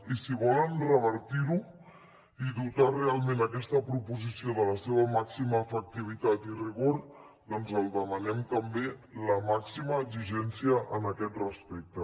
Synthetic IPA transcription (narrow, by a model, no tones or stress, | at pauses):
isiβɔlənrəβ̞əɾt̪iɾu | iðut̪arealˠmenəkɛst̪əpɾupuzisioðələseβəmaksiməːfək̚t̪iβ̞it̪at̪iriɣ̞oɾ | d̪ɔnzəlˠd̪əmənɛmt̪əmbeləmaksiməʒiʒɛnsiəʔənəkɛt̪rəspɛk̚t̪ə